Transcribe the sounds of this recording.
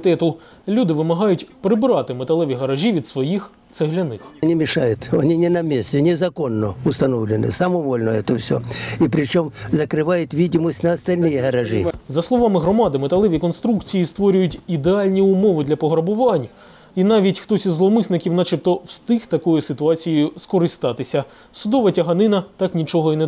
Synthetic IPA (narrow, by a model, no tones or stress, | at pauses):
t̪ɛt̪ʊ | lʲud̪ɪʋɪmɐɦɑjʊtʲpɾɪbɾɑt̪ɪmet̪ɐlˠɛʋʲiɦɐɾɐʒʲiʋʲid̪sʋɔjix | t̪sɛɦlʲɐnɪxnʲimʲɪʂajʊt̪ɐnʲinʲɪnɐmʲesʲtʲɪnʲɪzɐkonːəʊst̪ɐnovlʲɪnɨ̰sɐmɔʋolʲnəɛt̪əfsʲo̰ipɾʲɪt͡ɕomzɐkɾɪʋajʊt̪ʋʲidʲɪməsʲtʲnɐɐst̪ɐlʲnɨjɪɦɐɾɐʐɨ̰zɐslˠɔʋɑmɪɦɾɔmɑd̪ɪmet̪ɐlˠɪʋʲikɔnst̪ɾukt͡sʲijist̪ʋɔɾʲʊjʊtʲid̪eɑlʲnʲiʊmɔʋɪd̪lʲɐpɔɦɾɐbʊʋɑnʲ | inɑʋʲitʲxt̪ɔsʲizlˠɔmɪsnɪkʲiwnɑt͡ʃɪp̚t̪ɔwst̪ɪxt̪ɐkɔjʊsɪt̪ʊɑt͡sʲijʊskɔɾɪst̪ɑt̪ɪsʲɐ | sʊd̪ɔʋɐtʲɐɦɐnɪnɐt̪ɑknʲit͡ʃɔɦɔinɛ